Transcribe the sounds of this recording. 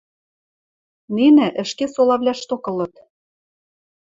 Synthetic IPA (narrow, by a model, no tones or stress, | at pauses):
ninɘ̆ʔɘ̆ʃkesolɑβlʲæʃt̪okɤ̆lɤ̆t̪